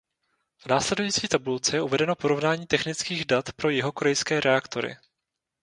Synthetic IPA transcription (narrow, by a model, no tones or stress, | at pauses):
vnaːslɛdujiːt͡siːt̪abult͡sɛjɛʔuvɛdɛno̞po̞ɾo̞vnaːɲiːt̪ɛxnɪt͡skiːɣdat̪pɾo̞jɪɦo̞koɾɛjskɛːɾɛakt̪o̞ɾɪ̰